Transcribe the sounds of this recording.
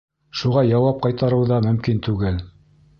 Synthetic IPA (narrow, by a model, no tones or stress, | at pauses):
ʃuʁɑjɑwɑp̚qɑjt̪ɑɾɤwðɑmɵ̆mkint̪ʉɡɘl